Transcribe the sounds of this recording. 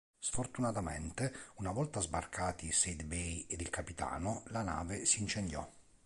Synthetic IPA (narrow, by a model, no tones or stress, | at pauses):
sfort̪unat̪amɛ̰nt̪eunavɔlt̪azbarkʰaːt̪ised̪bejed̪ilkapit̪a̰ːnolana̰ːvesiːnt͡ʃend̪jɔ̰